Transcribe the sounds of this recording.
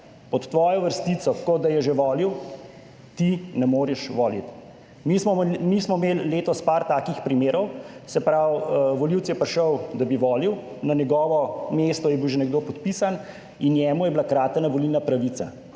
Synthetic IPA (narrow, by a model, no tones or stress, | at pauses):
pɔt̪ːʋɔːjɔʋəɾst̪it̪sɔkɔd̪ajɛʒɛʋɔːliw | t̪inɛmoːɾɛʃʋɔːlḭt̪ | mismɔmismɔmeːlːeːt̪ɔspaɾt̪aːkixpɾimeːɾɔwsɛpɾawʋɔliwt̪sjɛpɾʃəwd̪abiʋɔːliw | nanɛɡɔːʋɔmest̪ɔjɛbiwʒɛnɛɡ̚d̪oːpɔt̪pisan | injɛːmujɛblakɾaːt̪knaʋɔlilnapɾaʋiːt̪sa